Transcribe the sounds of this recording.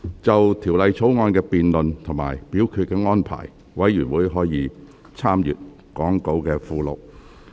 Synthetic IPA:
t͡sɐ˨wt̪ʰiː˨˩wlɐ˨jt͡sʰo˨˥wŋɔː˧nkɛː˧piː˨nlɵ˨nt̪ʰo˨˩ŋma̰ː˨˩jpiː˨˥wkʰyː˧t̚kɛː˧ŋɔː˥npʰa̰ː˨˩j | wɐ˨˥jyː˨˩nwuː˨˥jɦɔː˨˥jiː˨˥ | t͡sʰaː˥mjy̰ː˨t̚ | kɔː˨˥ŋko˨˥wkɛː˧fuː˧lo̰˨k̚

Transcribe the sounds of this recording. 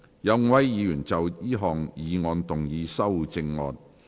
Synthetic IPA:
jɐ˨˧wŋwɐ˨˥jːiː˨˧jyː˨˩nt͡sɐ˨wiː˥ɦɔː˨ŋjiː˨˧ŋɔː˧nt̪ʊ˨˩ŋjiː˨˧sɐ˥wt͡sɪ˧ŋːɔ̰ː˨˧n

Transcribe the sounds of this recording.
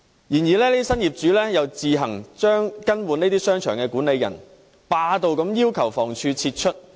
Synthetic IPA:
jiː˨˩njiː˨˩lɛː˥n˥sɐ˥njiː˨˩p̚t͡ʃyː˨˥lɛː˥jɐ˨˧wt͡siː˨˧ɦɐ˨˩ŋt͡ʃœː˥ŋkɐ˥nwuː˨ne˥t̪iː˥sœː˥ŋt͡ʃʰœː˨˩ŋkɛː˧kuː˨˥ne˨˧jːɐ̰˨˩n | paː˧t̪o˨wkɐ˨˧˥mjiː˥wkʰɐ˨˩wfɔː˨˩ŋt͡ʃʰyː˧t͡sʰi˧t̚t͡ʃʰɵ˥t̚

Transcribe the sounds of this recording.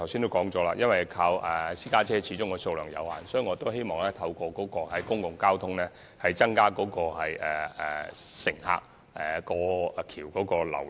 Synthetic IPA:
t̪ʰwsiː˥nt̪o˥wkɔː˨˥ŋt͡sɔː˨˥laː˧jɐ˥nwɐ˨jkʰaː˧wɛ˨˩siː˥kaː˥t͡sʰɛː˥t͡ɕʰiː˨˥t͡sʊ˥ŋkːɔː˧so˧wlœː˨˩ŋjɐ̰˨˧wha̰ː˨nsɔː˨˥i˨˥ŋɔː˨˧t̪o˥whe˥jmɔː˨˩ŋlɛː˥t̪ʰɐ˧wkɔː˧kɔː˨˥kɔː˧hɐ˨˩jkʊ˥ŋkʊ˨ŋkaː˥wt̪ʰʊ˥ŋlɛː˥ | hɐ˨jt͡sɐ˥ŋkaː˥kɔː˨˧˥kɔː˧hɐ˨jɛ˨˩ɛ̰˨˩sɪ˨˩ŋha̰ː˧k̚ | ɛ˨˩kɔː˧kʰiː˨˩wkɔː˨˥kɔː˧lɐ̰˨˩w

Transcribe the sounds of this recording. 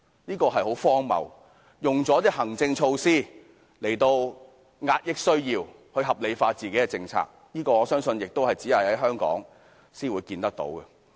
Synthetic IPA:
niː˥kɔː˧ɦɐ˨jho˨˥wfɔː˥ŋmɐ̰˨w | jʊ˨ŋt͡sɔː˨˥t̪iː˥hɐ˨˩ŋt͡sɪ˧ŋt͡ʃʰo˧wsiː˥ | le˨˩jt̪o˧w | ŋaː˧t̚jɪ˥k̚sɵ˥ɥjiː˧w | hɵ˧ɥɦɐ˨p̚le˨˧jfaː˧t͡siː˨ke˨˥jkɛ˧t͡sɪ˧ŋt͡sʰa̰ː˧k̚niː˥kɔː˧ŋɔː˨˧sœː˥ŋsɵ˧njɪ˨k̚t̪o˥whɐ˨jt͡siː˨˥hɐ˨jhɐ˨˥jɦœː˥ŋkɔ̰ː˨˥ŋ | siː˥nwuː˨˧jkiː˧nt̪ɐ˥k̚t̪o̰˨˥wkɛ˨

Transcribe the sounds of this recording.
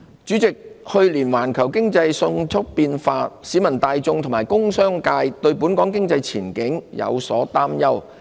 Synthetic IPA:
t͡ʃyː˨˥t͡sɪ˨k̚hɵ˧ɥliː˨˩nwaː˨˩nkʰɐ˨˩wkɪ˥ŋt͡sɐ˧jsʊ˧ŋt͡sʰʊ˥k̚piː˧nfaː˧t̚siː˨˥mɐ˨˩nt̪aː˧jt͡sʊ˧ŋt̪ʰʊ˨˩maː˨˩jkʊ˥ŋsœː˥ŋkaː˧jt̪ɵ˧ɥpuː˨˥nkɔː˨˥ŋkɪ˥ŋt͡sɐ˧jt͡sʰiː˨˩nkɪ˨˥ŋjɐ̰˨˧wsɔː˨˥t̪aː˥mjɐ˥w

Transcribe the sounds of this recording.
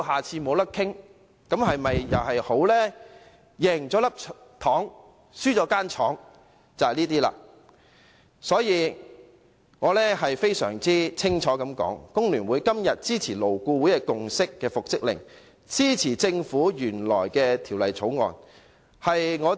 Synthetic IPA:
ɦaː˨˩t͡sʰiː˧mo˨˧wlɐ˥kʰɪ˥ŋ | kɐ˨˥mhɐ˨jmɐ˨jjɐ̰˨˩wɦɐ˨jho˨˥wlɛː˥ | jɛː˨˩ŋt͡sɔː˨˥lɐ˥p̚t̪ʰɔː˨˥ŋ | syː˥t͡sɔː˨˧˥kaː˥nt͡ʃʰɔː˨˥ŋ | t͡sɐ˨ɐ˨liː˥t̪iː˥la̰ː˧ | sɔː˨˥jiː˨˧ | ŋɔː˨˧lɛː˥ɦɐ˨jfe˥jsœ̰ː˨˩ŋt͡siː˥t͡sʰɪ˥ŋt͡ʃʰɔː˨˥kɐ˨˥mkɔ̰ː˨˥ŋkʊ˥ŋlyː˨˩nwuː˨˧jkɐ˥mjɐ˨t̚t͡siː˥t͡sʰiː˨˩lo˨˩wkuː˧wːjɛ˧kʊ˨ŋsɪ˥kːɛː˧fʊ˨k̚t͡sɪ˥k̚lɪ̰˨˩ŋ | t͡siː˥t͡sʰiː˨˩t͡sɪ˧ŋfuː˨˥jyː˨˩nlɔː˨˩jkɛː˧t̪ʰiː˨˩wlɐ˨˩jt͡sʰo˨˥wŋɔ̰ː˨n | hɐ˨jŋɔː˨˧

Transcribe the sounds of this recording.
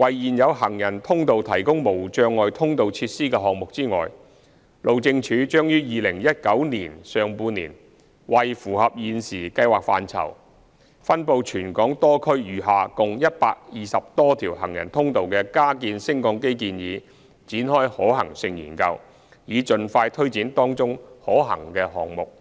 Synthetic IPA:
wɐ˨jjiː˨njɐ˨˧wɦɐ˨˩ŋjɐ˨˩nt̪ʰʊ˥ŋt̪o˨wt̪ʰɐ˨˩jkʊ˥ŋmo˨˩wt͡ʃœː˧ŋːɔː˨jt̪ʰʊ˥ŋt̪o˨wt͡sʰiː˧t̚siː˥kɛː˧ɦɔː˨k̚mʊ˨k̚t͡siː˥ŋɔ̰ː˨j | lo˨wt͡sɪ˧ŋt͡ʃʰyː˨˧t͡ʃœː˥ŋjyː˥jiː˨lɪ˨˩ŋjɐ˥t̚kɐ˨˥wniː˨˩nsœː˨ŋpuː˧nḭː˨˩n | wɐ˨jfuː˨˩ɦɐ˨p̚jiː˨nsiː˨˩kɐ˧jwaː˨k̚fa̰ː˧nt͡sʰɐ̰˨˩w | fɐ˥npo˧wt͡ʃʰyː˨˩nkɔː˨˥ŋt̪ɔː˥kʰɵ˥ɥjyː˨˩ɦaː˨˧kʊ˨ŋjɐ˥t̚paː˧k̚jiː˨˩sɐ˨p̚t̪ɔː˥t̪ʰiː˨˩whɐ̰˨˩ŋjɐ̰˨˩nt̪ʰʊ˥ŋt̪o˨˧wkɛː˧kaː˥kiː˧nsɪ˥ŋkɔː˧ŋke˥jkiː˧njiː˨˧ | t͡siː˨˥nhɔː˥jhɔː˨˥ɦɐ̰˨˩ŋsɪ˧ŋjyː˨˩nkɐ˧w | jiː˨˧t͡ʃɵ˨nfaː˧jt̪ʰɵ˥ɥt͡siː˨˥nt̪ɔː˥ŋt͡sʊ˥ŋhɔː˨˥ɦɐ̰˨˩ŋkɛː˧ɦɔː˨˩ŋmʊ˨k̚

